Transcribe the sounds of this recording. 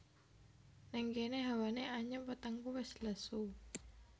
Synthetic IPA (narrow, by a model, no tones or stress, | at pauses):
nɛŋɡeneɦawaneʔaɲəmpət̪əŋkuwɛsləsu